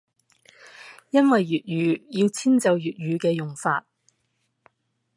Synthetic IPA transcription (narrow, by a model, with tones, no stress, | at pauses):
jɐ˥nwɐ˨jːyː˨t̚ɥyː˨˧ji˧wt͡sʰiː˥nt͡sɐ˨wjyː˨˩t̚jyː˨˧kɛː˧jʊ˨˩ŋfa̰ː˧t̚